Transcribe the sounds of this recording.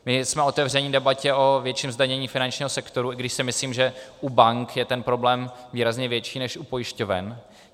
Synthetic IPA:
mɪsmɛo̞t̪ɛvr̝ɛɲidɛbacɛʔo̞vjɛt͡ʃimzdaɲɛɲiːfɪnant͡ʃɲiːɦosɛkt̪o̞ɾuɪɡdɪʃsɪmɪsliːmʒɛʔubaŋkjɛt̪ɛnpɾo̞blɛːmviːɾazɲɛvjɛt͡ʃiːnɛʃʔupojɪʃco̞vɛ̰n

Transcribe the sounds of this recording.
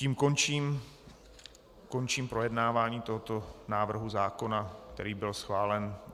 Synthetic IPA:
ciːmkont͡ʃiːm | ko̞nt͡ʃiːmpɾo̞jɛdnaːvaːɲiːt̪o̞ɦot̪onaːvr̩ɦuzaːko̞nakt̪ɛ̰ɾiːbɪlsxvaːlɛn

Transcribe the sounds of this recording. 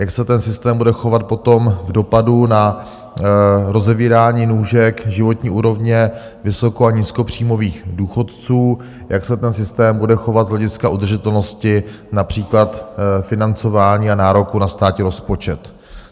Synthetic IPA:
jaksɛt̪ɛnsɪst̪ɛːmbudɛxo̞vat̪̚po̞t̪o̞mvdo̞paduna | ɾo̞zɛviːɾaːɲiːnuːʒɛkʒɪvo̞t̪ɲiːʔuːɾo̞vɲɛ | vɪso̞ko̞aɲisko̞pr̝̥iːmo̞viːxduːxo̞t̪t͡suː | jʔaksɛt̪ɛnsɪst̪ɛːmbudɛxo̞vad̪zɦlɛɟɪskaʔud̪r̩ʒɪt̪ɛlnoscɪ | napr̝̥iːklat̪fɪnant͡so̞vaːɲiːanaːɾo̞kunast̪aːcɪɾo̞spot͡ʃɛt̪

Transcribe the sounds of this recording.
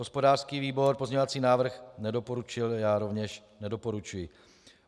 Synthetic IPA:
ɦospo̞daːr̥skiːviːbo̞ɾpozɲɛovat͡siːnaːvr̩xnɛdopo̞ɾut͡ʃɪljaːɾo̞vɲɛʃ | nɛdo̞po̞ɾut͡ʃujɪ

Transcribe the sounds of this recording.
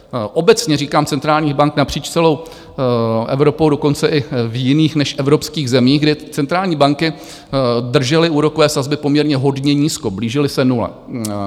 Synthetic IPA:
ʔo̞bɛt͡sɲɛriːkaːmt͡sɛnt̪ɾaːlɲiːxbaŋknapr̝̥iːt͡ʃt͡sɛlo̞w | ʔɛ̰vɾo̞powdo̞ko̞nt͡sɛʔɪvjɪniːxnɛʃʔɛvɾo̞pskiːɣzɛmiːɣɡdɪt͡sɛnt̪ɾaːlɲiːbaŋkɪ | dr̩ʒɛlɪʔuːɾo̞kovɛːsazbɪpomɲɛɾɲɛɦo̞dɲɛɲiːsko̞bliːʒɪlɪsɛnulɛ̰

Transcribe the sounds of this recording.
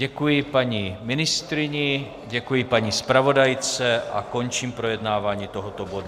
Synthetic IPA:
ɟɛkujɪpaɲimɪnɪst̪ɾɪɲɪ | ɟɛkujɪpaɲispɾavo̞dajt͡sɛʔako̞nt͡ʃiːmpɾo̞jɛdnaːvaːɲiːt̪oɦot̪obodu

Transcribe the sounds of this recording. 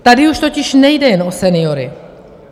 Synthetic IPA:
t̪adɪuʃt̪o̞cɪʃnɛjdɛjɛnʔosɛnɪoɾɪ

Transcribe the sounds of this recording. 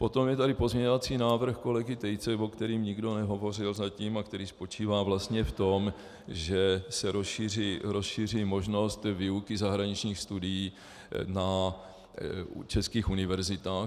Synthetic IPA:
po̞t̪o̞mjɛt̪adɪpo̞zmɲɛɲovat͡siːnaːvr̩xko̞lɛɡɪt̪ɛjt͡sɛvo̞kt̪ɛɾiːmɲɪɡdo̞nɛɦo̞vo̞rɪlzaciːmakt̪ɛɾiːspo̞t͡ʃiːvaːvlast̪ɲɛft̪o̞m | ʒɛsɛɾosʃiːriːɾosʃiːr̝iːmo̞ʒno̞st̪viːukɪzaɦɾaɲit͡ʃɲiːxst̪udɪjiː | na | t͡ʃɛskiːxunɪvɛɾzɪt̪aːx

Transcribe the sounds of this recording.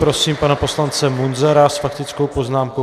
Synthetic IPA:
pɾo̞siːmpanapo̞slant͡sɛmunzɛɾasfak̚t̪ɪt͡sko̞wpo̞znaːmko

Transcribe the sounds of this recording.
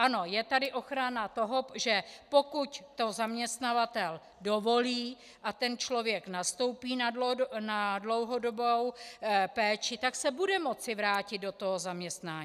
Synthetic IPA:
ʔano̞jɛt̪adɪʔo̞xɾanat̪o̞ɦo̞ʒɛpo̞kuct̪o̞zamɲɛst̪navat̪ɛl | do̞vo̞liː | ʔat̪ɛnt͡ʃlo̞vjɛknast̪o̞wpiːnadonadlo̞wɦo̞do̞bowpɛːt͡ʃɪt̪aksɛbudɛmo̞t͡sɪvɾaːcɪd̪̚do̞t̪oɦozamɲɛst̪naːɲ

